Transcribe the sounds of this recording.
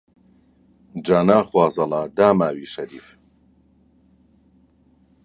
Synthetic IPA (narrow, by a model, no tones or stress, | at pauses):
d͡ʒaːnaːχwaːzɐlaːd̪aːmaːwiːʃɐɾḭːf